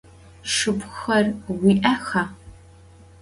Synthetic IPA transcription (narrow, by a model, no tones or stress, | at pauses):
ʂɨpxɐrwiːʔɐxɐ